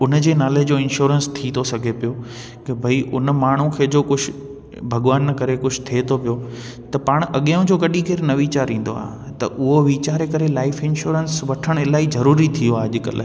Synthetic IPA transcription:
ʊnd͡ʑeːnaːled͡ʑoːɪ̃nʃuːɾənst̪ʰit̪ʰosɐɡʱepijo | kɪbʱɐiʔʊn̆maːɳ̤ũkʰeːd͡ʑoːkʊd͡ʑʱʊ | bʱɐɠʋaːnkɐɾekʊd͡ʑʱt̪ʰiet̪ʰopijo | t̪ɐpaːɽ̃ʔɐɠijʊ̃d͡ʑoːkɐɗikeːɾnɐʋiːt͡ɕaːɾĩːn̆d̪oa̰ːɦ | t̪ɐ̰ʔʊɦoʋiːt͡ɕaːɾekɐɾelaːɪfɪnʃuːɾənsʋɐʈʰəɽ̃ɪlaːizɐɾuːɾit̪ʰijoaːɐʄɪkə̰l

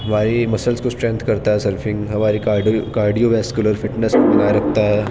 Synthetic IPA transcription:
ɦɐmaːɾimɐsəlskosʈɾẽːnt̪ʰkɐɾt̪aɦɛsɐɾfʰɪ̃ŋɡɦɐmaːɾikaːkaːɾɖijoʋɛːskjuləɾfɪʈneskomɐnaːɾɐkʰt̪aɦɛ

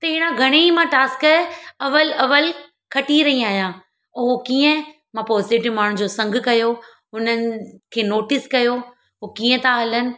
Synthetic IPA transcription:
t̪ɐɪɽ̃ãɡʱɐɽ̃eimãʈaːskɐʋəlɐʋəl | kʰɐʈiɾɐɦiaːɦijãː | ʊɦokiːə̃ | mãpɔːsɪʋʈimaːɽ̤̃ʊ̃d͡ʑoːsɐ̃ŋɡʱkɐjo | ɦʊnənɪ̆kʰeːnoːʈɪskɐjo | ɦokiːə̃t̪ʰãɦɐlənɪ̆

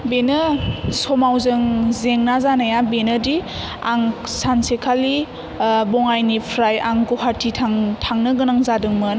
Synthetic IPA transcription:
benɯsɔmawzɯŋzeŋnazanajabenədi | aŋsansekʰali | bɔŋajnipʰɾajaŋkuɦaɾtʰitʰaŋtʰaŋnɯɡɯnaŋzadɯŋmɯn

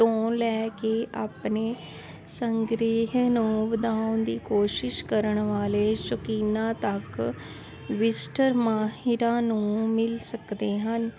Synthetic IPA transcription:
õːlɛːkeːʔaːpneː | səŋɡɾiːɦnũːʋəd̪aːʊnd̪iːkoːʃɪʃkəɾəɳʋaːleːʃʊkiːnãːt̪ək | ʋɪsʈəɾmaːɦɪɾãːnũːmɪlsəkd̪eːɦən

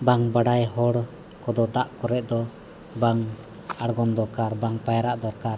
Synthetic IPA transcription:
baŋbaɖajɦɔɽ | kɔd̪ɔd̪aʔkɔɾɛʔ̚d̪ɔ | baŋ | aɽɡɔnd̪ɔɾkaɾbaŋpajaɾaʔd̪ɔɾkaɾ

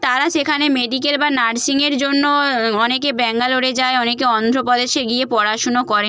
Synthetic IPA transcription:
t̪aɾaʃekʰanemeɖikelbanaɖsiŋeɾd͡ʑonːoɔnekebɛŋɡaloɽed͡ʑaeɔnekeɔnd̪ʱɾopɔd̪eʃeɡiepɔɾaʃonokɔɾen

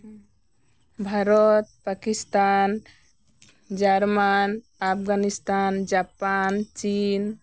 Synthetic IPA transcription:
bʱaɾot̪̚pakist̪an | d͡ʒaɾman | apʰɡanist̪and͡ʒapant͡ʃin

